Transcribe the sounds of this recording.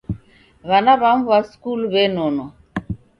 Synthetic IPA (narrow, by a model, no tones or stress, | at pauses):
βanaβaɱvwaskulβɛnɔnɔ